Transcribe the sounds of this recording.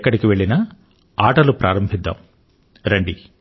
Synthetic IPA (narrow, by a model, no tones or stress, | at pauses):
kːɐɽikiʋe̞ɭːinɐ | aːʈɐlupɾaːɾɐmbʱid̪ːa̰m | ɾɐɳɖi